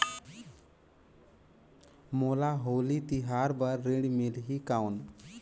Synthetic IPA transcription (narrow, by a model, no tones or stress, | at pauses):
molaɦoːlit̪iɦaːɾbəɾːeɽimelɦikaun